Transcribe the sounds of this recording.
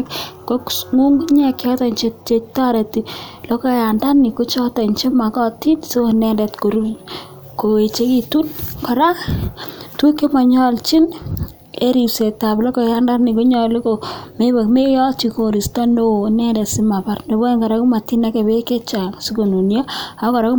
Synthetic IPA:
kko˦kŋu˦ŋɡu˦ɲɛ˨kjɔ˦tɔ˨ɲt͡ʃe˦t͡ʃe˨ta˦ɾe˨ti˨lɔ˦kɔ˦ja˨nda˦ni˨ku˦t͡ʃɔ˦tɔ˨ɲt͡ʃe˦ma˨kɔ˦ti˦nso˦nɛ˦nde˨tko˨ɾu˦ | ko˨e˨t͡ʃe˦ki˨tu˦nkɔ˨ɾa˦k | tu˦ke˦ma˨ɲɔ˦lt͡ʃi˦n | e˦ɾi˨se˨ta˨blɔ˦kɔ˨ja˦nda˦ni˨ku˦ɲɔ˨li˦ko˨me˦be˨kme˦jɔ˦t͡ʃi˨ko˨ɾi˨stɔ˦ndo˦nɛ˦ndɛ˨si˦ma˨pa˦rndo˨bo˦ŋka˨ɾa˦ku˦ma˨ti˦na˦ke˨be˦ke˦t͡ʃa˨ŋsu˦ko˨nu˨njɔ˦a˨˦kɔ˨ɾa˦k

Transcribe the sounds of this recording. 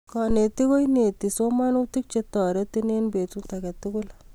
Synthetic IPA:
kɔ˨ne˨ti˦ko˦jne˨ti˨so˦ma˦nu˦ti˦k̚t͡ʃe˧tɔ˨ɾe˦ti˦ne˦nbe˨tu˦ta˨kɛ˨ti˦kʊ˦l

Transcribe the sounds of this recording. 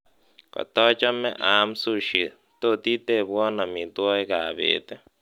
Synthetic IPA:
ka̰˨t̪ɔ˦t͡ʃa˦mḛ˦ʔa˨m˦su˦ʃi˨ | t̪o˦t̪i˦t̪e˦˨βwɔ˦na˨mi˨t̪wɔ˦e˦ka˨βḛ˨t̪e˦

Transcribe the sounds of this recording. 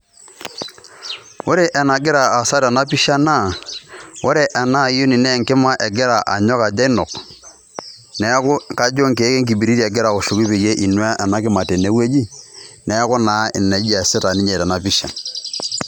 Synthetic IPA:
wʊ˦ɾe˦ʔɛ˨na˨ɡɪ˦ɾaː˨sa˦ɾɛ˨na˦pi˦ʃa˦na˦˨wo˦ɾe˨ʔɛ˨na˦˨jo˦ni˨nɛ˦˨ŋkɪ˦ma˦ʔɛ˨ɡɪ˦ɾa˨ʔa̰˨ɲɔ˦ka˨d͡ʒa˦i˦nɔ˨k | nɛ˨˦kʊ˦ka˦d͡ʒo˦ŋke˨˦ke˦ŋk̬i˨bi˨ɾi˦ɾɛ˨ɡɪ˦ɾa˨o˨ʃʊ˨ki˦pe˨je˦ʔi˨nwa˦ʔɛ˨na˦kɪ˦ma˨te˨ne˨˦we˦d͡ʒi˦nɛ˨˦kʊ˦na˨˦ɪ˨ne˨˦d͡ʒa˨sɪ˦ta˨ni˦ɲe˨tɛ˨na˨pi˦ʃa̰˨

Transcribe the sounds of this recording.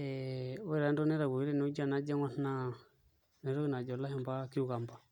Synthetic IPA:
ɛɔ˦ɛ˦ɾa˨ndɔ˦nɛ˦ɾa˨ɡu˨i˦ɾɛ˦nu˦d͡ʒa˦˨na˦d͡ʒa˦ŋa˦nna | nɛ˨ɾɔ˦i˦na˨d͡ʒɔ˨la˦ɦɛ˨mba˦ki˦u˦ɣa˨mba˨

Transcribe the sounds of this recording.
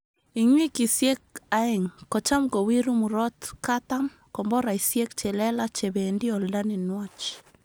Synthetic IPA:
i˨ɲwi˦ki˨sje˦k̚a˨ɪ˨ŋkɔ˨t͡ʃa˦mko˨wi˦ɾu˦mu˨ɾɔ˦tkata˦m | kɔ˨mbɔ˦ɾa˨i˨sje˦kt͡ʃe˨lɛ˦la˦t͡ʃe˨be˨ndi˦ɔ˨lda˦nɪ˨nwɔ˦t͡ʃ

